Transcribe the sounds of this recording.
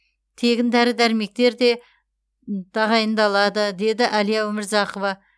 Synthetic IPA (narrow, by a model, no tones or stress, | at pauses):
t̪ʰe̞ɡʲɪnd̪æɾɪd̪æɾme̞k̚t̪e̞ɾd̪e̞ | d̪̥ʰɑʁɑjənd̪ɑlˠɑd̪əd̪e̞d̪ɪʔælijɑwɵmɪɾzɑqovɑ